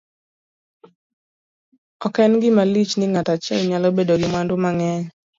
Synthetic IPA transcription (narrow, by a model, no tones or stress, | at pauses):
ɔkɛnɡɪmalit͡ʃnɪŋatat͡ʃɛlɲalɔbedoɡɪmwandʊmaŋɛɲ